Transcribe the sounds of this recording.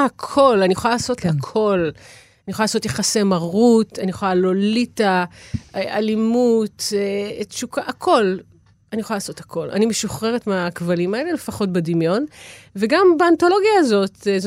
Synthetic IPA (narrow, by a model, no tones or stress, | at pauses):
akʰo̞lanijexoalaːso̞tlakʰo̞l | aniexoalaso̞tjeχasemaʁutanijχojalolitaealimuteʃukaʔakʰo̞l | anijexoalaːso̞thakʰo̞la̰nimeʃuχʁeʁetmeakvalimae̞le̞le̞faχo̞t̚bedimjo̞nveɡambeanto̞lo̞ɡjaːzo̞tz